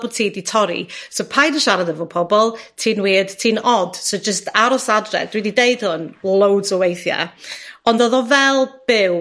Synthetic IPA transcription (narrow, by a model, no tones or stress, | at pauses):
bɔtʰiːditʰɔɾḭsopʰajdəʃaɾaðəvɔpʰɔbɔlˠtʰiːnwiːd̥tʰiːnɔd̥sod͡ʒəstʰaɾɔsadrɛ̰dwididejd̥hʊnlˠowdzɔwejθja̰ɔndɔðɔvɛlˠb̥ɪw